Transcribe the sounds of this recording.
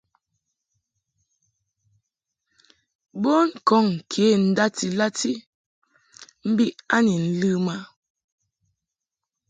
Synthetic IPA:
bo˦ŋ̩˦˨kɔ˦˨ŋ˨kʰe˨˦˨n̩˦da˦ti˨la˦ti˦ | m̩˦bi˦ʔa˦ni˨n̩˦lɨ˦ma˦

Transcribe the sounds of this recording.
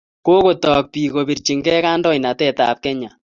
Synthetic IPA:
ko˦ko˨tɔ˨k̚pi˨ko˨bi˨ɾt͡ʃi˨ŋɡɛ˦ka˦ndɔ˦jna˨tɛ˦ta̰˨p̚kɛ˦ɲa˨

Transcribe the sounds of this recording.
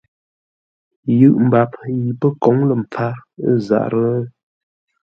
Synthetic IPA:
jɯ˦˨ʔm̩˨ba˨pji˨pə˦kɔ˨˦ŋlə˨m˨p͡fa˦ə˦za̰˨ʔɾə˦

